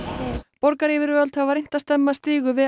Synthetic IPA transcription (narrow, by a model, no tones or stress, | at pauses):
pɔɾkaɾɪvɪɾvœlt̪havaɾejn̥t̪ast̪ɛmːast̪iːɣʏvɪð